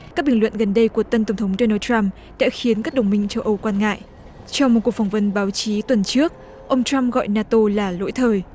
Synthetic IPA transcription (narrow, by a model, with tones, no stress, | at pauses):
kaː˦˥k̚ɓï˨˩ŋlwə̰˧˨nɣə˨˩nɗə˧jku˧˩ət̪ə˧nt̪ə˧˩ŋ͡mt̪ʰə˨˦ŋ͡mɗo˧naː˧t͡ɕa˧m | ɗa̰ː˧˥xi˨˦ənkaː˦˥k̚ɗə˨˩wŋ͡mmï˧ŋ̟t͡ɕə˧wʔə˧wkwaː˧nŋa̰ː˧˨jʔ | t͡ɕɔ˧wŋ͡mmo˨˩t̚kəfwŋ͡mvə˨˦nɓaː˨˦wt͡ɕi˨˦t̪wə˨˩nt͡ɕɨ˦˥ək̚ | ʔə˧wŋ͡mt͡ɕa˧mɣɔ̰˧˨jnaː˧t̪o˧laː˨˩lo̰˧˥jt̪ʰəː˨˩j